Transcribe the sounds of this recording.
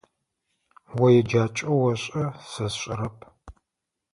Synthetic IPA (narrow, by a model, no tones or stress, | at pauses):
wɐjɛd͡ʒaːt͡ʃʼɐwɐɕʼɐsɐsɕʷʼɐɾɐpʰ